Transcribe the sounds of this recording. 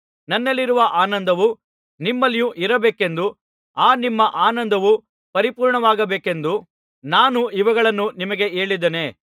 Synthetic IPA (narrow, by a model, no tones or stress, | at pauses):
nɐnːɐlːiɾuʋɐʔaːnɐnd̪ɐʋu | nimːɐlijuʔiɾɐbeːke̞nd̪u | aːnimːɐʔaːnɐnd̪ɐʋu | pɐɾipuːɾɳɐʋaːɡɐbeːke̞nd̪u | naːnuiʋɐɡɐɭɐnːunimɐɡe̞e̞ːɭid̪ene̞ː